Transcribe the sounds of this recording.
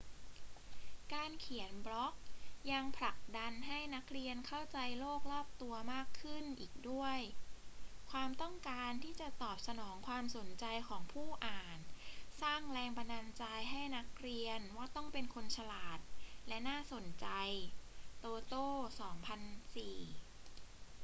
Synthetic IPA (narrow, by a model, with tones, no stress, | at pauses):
kaː˧nkʰi˨˩˦ənbɾɔ˦˥k̚ja˧ŋpʰla˨˩k̚da˧nɦa˥˩jna˦˥k̚ɾi˧ənkʰa˥˩wt͡ɕa˧jloː˥˩k̚lɔː˥˩p̚t̪u˧ɐmaː˥˩kʰːɯ˥˩nʔiː˨˩k̚du˥˩əj | kʰwaː˧mt̪ɔ˥˩ŋkaː˧nt̪ʰiː˥˩t͡ɕa˨˩t̪ɔː˨˩p̚sa˧nɔː˩˦ŋkʰwaː˧mso˩˦nt͡ɕa˧jkʰɔː˩˦ŋpʰuː˥˩ʔaː˨˩nsaː˥˩ŋlɛː˧ŋpa˧na˧nt͡ɕa˧jɦa˥˩jna˦˥k̚ɾi˧ənwaː˥˩t̪ɔ˥˩ŋpe˧nkʰo˧nt͡ɕʰa˧laː˨˩t̪̚lɛ˦˥naː˥˩so˨˩˦nt͡ɕa˧jt̪oː˧t̪oː˥˩sɔː˩˦ŋpʰa˧nsiː˨˩